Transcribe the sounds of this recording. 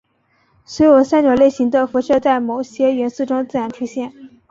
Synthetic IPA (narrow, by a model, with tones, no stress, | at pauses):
swe˧˥ɪjo˨˩ʊsa˥nt͡ɕjo˨˩ʊle˥˩ɪɕi˧˥ŋd̪ə˧fu˧˥ʂɤ˥˧t͡sa˥˩ɪmo˨˩ʊɕjɛ˥ɥɛ˧˥nsu˥˩ʈ͡ʂʊ˥ŋt͡sɹ̩˥˩jɑ˧˥ŋʈ͡ʂʰu˥ɕjɛ˥˩n